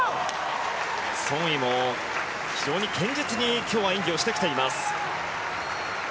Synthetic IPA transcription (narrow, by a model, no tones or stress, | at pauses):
sõ̞ɰ̃imo | çid͡ʑo̞ːɲ̟ikẽ̞ɲ̟d͡ʑit͡sɨɲ̟ikʲo̞ːβaĩŋɡʲioɕi̥t̪ekʲi̥t̪e̞imasɨ̥